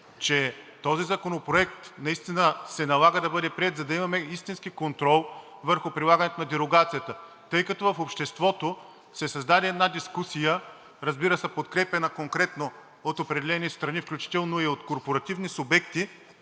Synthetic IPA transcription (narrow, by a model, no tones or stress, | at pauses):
t͡ʃɛt̪ɔzizɐkonopɾoɛk̚t̪nɐist̪inəsɛnɐlˠaɡəd̪ɐbɤd̪ɛpɾiɛt̪zɐd̪ɐimɐmɛist̪inskikont̪ɾɔlˠ | vəɾxʊpɾilˠaɡɐnɛt̪onɐd̪ɛɾoɡat̪sijət̪ə | t̪ɤjkɐt̪ɔvɐfopʃt̪ɛst̪vɔt̪o | sɛsɐzd̪ad̪ɛɛd̪nad̪iskusijə | ɾɐzbiɾəsɛpot̪kɾɛpɛnəkoŋkɾɛt̪no | ot̪opɾɛd̪ɛlɛnist̪ɾɐnifklʲut͡ʃi̥t̪ɛlˠnoiot̪koɾpoɾɐt̪ivnisʊbɛkt̪i